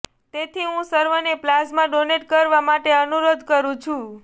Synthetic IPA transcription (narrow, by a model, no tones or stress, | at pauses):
t̪et̪ʰiɦũsəɾʋəneplasmãɖoneʈ̚kəɾʋamaʈeənuɾod̪ʱkəɾũt͡ʃʰũ